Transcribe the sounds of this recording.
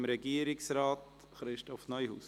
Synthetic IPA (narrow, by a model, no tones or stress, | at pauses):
mɾɛɡiəɾɪksɾɑːt | χɾɪʃtɔfnɔjhṵs